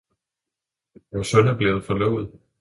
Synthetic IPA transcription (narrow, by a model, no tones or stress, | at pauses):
jɒsɔnæb̥le̝ːð̩ˠfɒ̽lœʊ̰ð̞̩ˠ